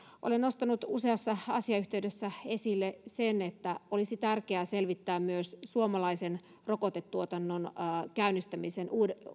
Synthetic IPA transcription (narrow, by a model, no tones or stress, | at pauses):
ʔo̰lenost̪ɑnut̪useɑsːɑɑ̰siɑyht̪eydesːæe̞silːesenet̪ːæolisit̪ærkeæselʋit̪ːæːmmyøssuomɑlɑisen | rokot̪et̪ːuot̪ɑnːonːkæynːist̪æmisenʔuːde